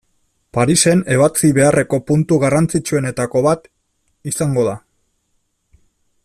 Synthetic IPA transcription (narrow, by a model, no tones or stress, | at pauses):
paɾise̞ne̞β̞at͡siβe̞are̞ko̞punt̪uɣarant͡sit͡ʃue̞ne̞t̪ako̞βat̪ | isaŋɡo̞ða